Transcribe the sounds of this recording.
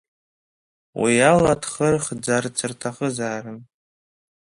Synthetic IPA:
wijaladχərχd͡zart͡sʰɨrtʰaχəzaːrɨn

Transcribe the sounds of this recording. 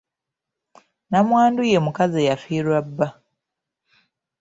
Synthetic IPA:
namwaːndujemukazejafiːɾwabːa

